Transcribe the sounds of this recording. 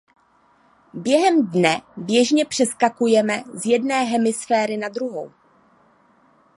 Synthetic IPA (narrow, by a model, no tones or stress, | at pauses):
bjɛɦɛmdnɛbjɛʒɲɛpr̝̥ɛskakujɛmɛzjɛdnɛːɦɛmɪsfɛːɾɪnadɾuɦo̰w